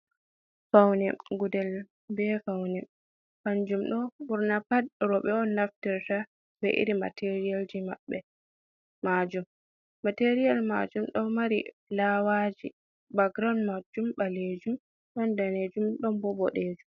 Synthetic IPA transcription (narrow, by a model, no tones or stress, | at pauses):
fawnɛɡudɛl | bɛfawnɛ | haɲd͡ʒumɗɔbuɾnapad̚ɾɔɓɛɔnːaftɛɾta | bɛʔḭɾima̰tʰeɾijald͡ʒimabːɛ | mad͡ʒumː | ateɾijalma̰d͡ʒumɗɔnmaɾḭ | lawad͡ʒi | baɡɾanmad͡ʒumbaled͡ʒum | ɗɔndaned͡ʒumɗɔnbɔbɔɗeːd͡ʒum